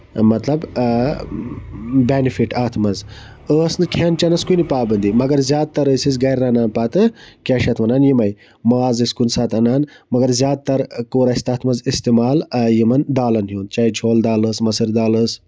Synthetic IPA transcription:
mɐt̪lɐb | beːnifiʈaːt̪ʰmɐz | əːsnɨkʲʰeːnt͡ʃɐnɐskunipaːbɐnd̪imɐɡɐɾzʲjaːd̪̚t̪ɐɾəːsis̬ɡɐjɾːaːnaːnpat̪ɨkʲaːʃɐt̪ʰmɐnaːnjimɐj | maːzɨsʲkunsaːt̪ɐnaːnmɐɡɐɾzjaːd̪̚t̪ɐɾkoːɾɐsʲt̪aːt̪ʰmɐzist̪imaːljimɐnd̪aːlɐnɦjuːnt͡ʃaːid͡ʒʰʱoːld̪aːlɨːsmɐsɨɾd̪aːləs

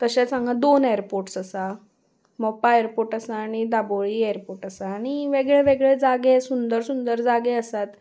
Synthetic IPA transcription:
t̪əɕasãŋɡad̪oneəɾpoɾʈsasa | mɔpaəɾpoɾʈəsaːɽ̃id̪aboɭieəɾpoɾʈəsaːɽ̃iʋeɡɭɛʋeɡɭɛd͡zaɡesund̪əɾsund̪əɾd͡zaɡeəsat̪

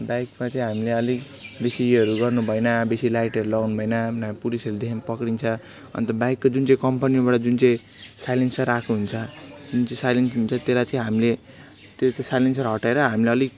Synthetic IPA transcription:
bajkmat͡saĩɦamileʌliɡ | besiɦʌɾuɡʌrnubʱʌjnabesilajʈʌɾulʌɡnubʱʌjnanapulisʌɾud̪ekʰnpʌkɾint͡sʰʌ | ʌ̰nt̪ʌbajkːod͡zunt͡sʌ̃ĩkʌmpanibaʈʌd͡zunt͡sʌ̃ĩ | sajlensaɾakʰnuɦunt͡sʰʌd͡zunt͡sʌĩsajlensɦunt͡sʰʌt̪eɾat͡sʌĩɦamile | t̪et͡sasajlensʌɾɦʌʈaeɾʌɦamileʌliɡ

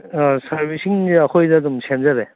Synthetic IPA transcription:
saɾbisiŋakʰojnadumsemzaɾe

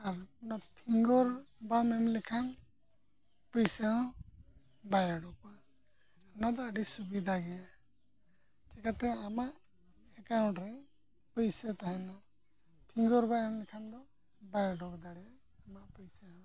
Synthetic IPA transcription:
aɾpnapʰiŋɡɔɾbamɛmlɛkʰan | pəjsaɔ̃ | bajaɖɔkua | nad̪ɔəɖisubid̪ʱaɡɛja | t͡ʃɛkat̪ɛamaʔ | ɛkawɳʈɾɛ | pəjsɛt̪aɦɛ̃na | pʰiŋɡɔɾbamɛmlɛkʰand̪ɔ | bajaɖɔkd̪aɽɛa | amaʔpɔjsaɔ̃

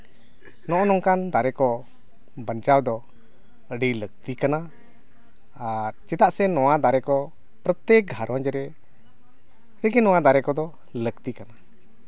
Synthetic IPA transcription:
nɔʔɔnɔŋkand̪aɾɛkɔ | bənt͡ʃawd̪ɔ | əɖilək̚t̪ikana | ɾt͡ʃɛt̪aʔsɛnɔwad̪aɾɛkɔ | pɾət̪ːɛk̚ɡʱaɾwand͡ʒɛɾɛ | ɾəɡɛnɔw̃ad̪aɾɛkɔd̪ɔ | ləkt̪ikana

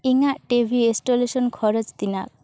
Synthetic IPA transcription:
iŋaʔʈebʱiesʈolesɔnkʰɔɾɔd͡ʒt̪inak̚

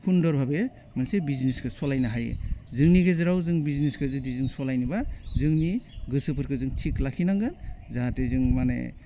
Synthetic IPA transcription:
pʰundɔɾbʱabe | mɯnsebizniskɯsɔlajnaɦajḛzɯŋniɡezɯɾawzɯŋbizniskʰɯzɯdizɯŋsɔlajnibazɯŋniɡɯsɯpʰɯɾkʰɯzɯŋtʰiklakʰinaŋɡɯnzaatezɯŋmanḛ

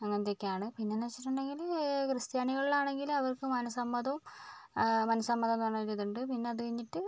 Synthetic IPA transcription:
ɐŋːɐnet̪ekʲːiaːɳɨpinːenɐt͡ɕːiʈːuɳɖe̞ŋɡilkrɨst̪jaːniɣɐɭilaːɳe̞ŋɡilɐʋɐrkɨmɐnɐsɐmːɐd̪ɐm | mɐnɐsɐmːɐðɐmɐɳːaɾiðuɳɖɨpinːe̞ɐðɐiɲːiʈːɨ

